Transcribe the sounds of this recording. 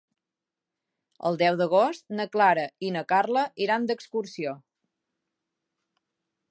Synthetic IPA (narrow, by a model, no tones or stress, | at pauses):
ə̰lˠd̪ɛwðəɣ̞ost̪nəklaɾəinəkarləʔiɾand̪əkskuɾsio